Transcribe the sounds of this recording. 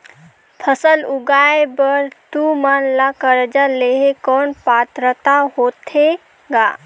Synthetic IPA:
pʰəsəlʊɡaːebəɾt̪umanlakəɾd͡ʒaleɦekɔːnpaːt̪ɾət̪aɦot̪ʰe | ɡaː

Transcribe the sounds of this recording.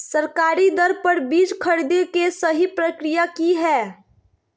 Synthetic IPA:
səɾkaːɾid̪əɾpəɾbiːd͡ʒkʰəɾd̪ekesəɦipɾəkɾijakiɦɛː

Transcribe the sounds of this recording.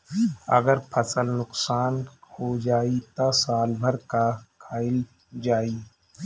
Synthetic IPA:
ɐ̰ɡəɾpʰɐsəlnʊksaːnhod͡ʒaːit̪asaːlbʱəɾkakʰaːɪl | d͡ʒaːiː

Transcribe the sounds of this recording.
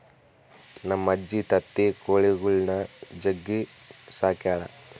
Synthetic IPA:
nɐmːɐd͡ʒːit̪ɐt̪ːekoːɭeɡuɭnɐd͡ʒɐɡːisaːkjaːɽɐ̰

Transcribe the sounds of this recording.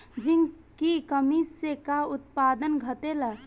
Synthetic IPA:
d͡ʒin | kikəmisekaʊt̪̚pad̪ənɡʱət̪elə

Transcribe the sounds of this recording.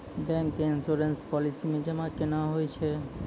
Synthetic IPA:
bɛŋkinsoɾenspɔlisimed͡ʑemakenaɦojet͡ɕʰe

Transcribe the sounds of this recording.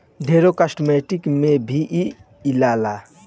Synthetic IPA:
ɖʱeːɾokəsʈmeːʈikmẽbʱiʔi | ilaːla

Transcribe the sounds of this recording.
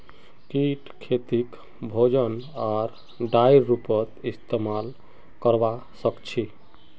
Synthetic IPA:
kiʈkʰːet̪ik | bʱod͡ʒənaɾ | ɖajɾːupət̪ist̪emal | kəɾba | səkt͡ʃʰi

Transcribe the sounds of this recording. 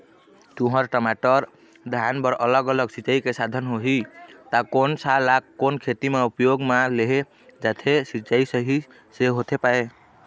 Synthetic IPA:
t̪uɦəɾʈəmaʈəɾ | d̪ʱjanbəɾələɡələɡsit͡ʃaikesad̪ʱənɦoɦit̪akonsalakkːonkʰet̪imeupjoɡmaleɦe | d͡ʒat̪ʰesit͡ʃaisəɦi | seɦot̪ʰepae

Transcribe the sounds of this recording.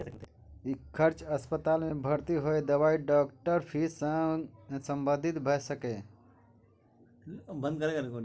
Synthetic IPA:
skt̪ | ikʰəɾt͡ʃəspət̪almebʱəɾt̪iɦojd̪əbaiɖɔkʈəɾpʰisəsə̃mbə̃d̪ʱit̪bʱəsəke | bə̃nd̪̚kəɾekəɾeko

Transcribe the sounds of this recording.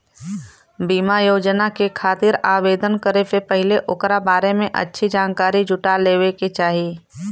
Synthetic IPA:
biːmajoːd͡ʒnakekʰaːt̪ɪɾaːʋeːd̪ənkəɾepepəɦɪleʔʊkɾabaːɾemẽʔɐ̰tːʃʰid͡ʒaːnkaːɾid͡ʒʱʊʈaleːweket͡ʃaːɦiː

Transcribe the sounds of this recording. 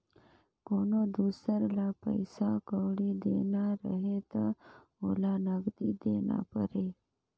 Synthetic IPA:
koːnod̪usəɾlapə̰jsakəwɽid̪enaɾə̰ɦet̪a | olanaɡd̪id̪ena̰pəɾe

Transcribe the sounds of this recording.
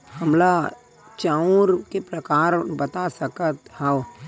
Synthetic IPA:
həmla | t͡ʃaːũɾkepɾəkaːɾbət̪asəkət̪ha

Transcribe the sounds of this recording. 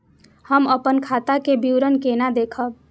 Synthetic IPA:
həməpənkʰat̪akebiwɾənkenad̪ekʰəb̚

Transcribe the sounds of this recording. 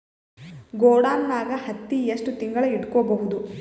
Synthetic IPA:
ɡoːɽaːnnaːɡɐhɐt̪ːijɐʂʈut̪iŋɡɐɭɐiʈkɔːbɐɦud̪u

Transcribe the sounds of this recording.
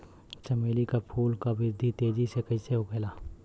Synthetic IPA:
t͡ʃɐmeːlikapʰuːlkabɪɾd̪ʱit̪eːd͡ʒisekɐiseɦokeːlaː

